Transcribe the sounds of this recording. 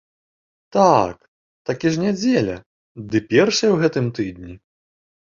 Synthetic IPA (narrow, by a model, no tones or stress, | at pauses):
t̪ak | t̪akʲiʐnʲad͡zʲɛlʲɐ̰ | d̪ɨpʲɛrʂɐjɛwɣɛt̪ɨmt̪ɨd̪nʲi